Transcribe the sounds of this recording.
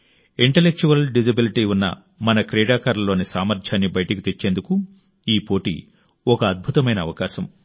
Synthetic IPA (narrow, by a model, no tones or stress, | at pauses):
iɳʈelːek̚t͡ʃuʋɐlɖid͡ʒɐbiliʈiːunːɐ̰ | mɐnɐkɾɛːɽaːkaːɾlɐlːoːnisaːmɐɾd͡ʒʰaːnːibɐjɐʈɐkit̪et͡ʃːe̞ːnd̪uku | iːpo̞ːʈḭ | ɔkɐːd̪̚bʱut̪ɐmɐjnɐːʋɐkaːʃɐm